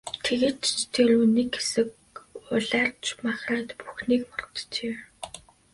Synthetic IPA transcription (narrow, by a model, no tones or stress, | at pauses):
t̪ʰeɣeːt͡ɕt̪ʰeɾuneːkxesɘ̆k | ʊɮaːrt͡ɕmaχraːt̪puxniːkmɔrʁə̆t̪t͡ɕeː